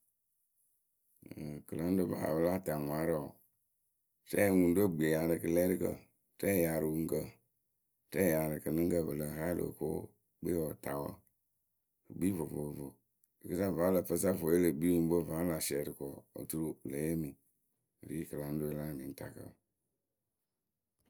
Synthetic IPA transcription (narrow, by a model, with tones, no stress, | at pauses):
kɨ˨la˦n˦do˦ba̰˨ha̰˨bə˦la˦˨ta˨ŋʷa˨˦ɾa˨ | tɛ˦˨wu˨n˦do˦˨ɡ͡be˨ja˨ɾɨ˨kɨ˨lɛ˦ɾi˦kə̰˨ | tɛ˦˨ja˨ɾɨ˨wu˨ŋ˦kə˨ | tɛ˦˨ja˨ɾɨ˨kɨ˨lɨ˦ŋ˦kə˨bə˨lə˨ɦa˦lo̰˨ko̰˦ | ɡ͡be˦wɔ˨ta˨wə̰˦ | kɨ˨ɡ͡bi˦vo˨vo˨vo˨ | ə˨kə˦sa˦va˨˦lə˨pə˦sa˦˨fo˨je˦lə˨ɡ͡bi˦wu˨m˦bo˦˨va˨˦la˨sɛ˨ɾə˨kɔ˨o̰˨tu˦ɾu˦˨lə˨˦je˦mi˨ | ɾi˦kɨ˨la˨n˦do˦˨la˦˨mi˨n̩˦ta̰˨kə̰˦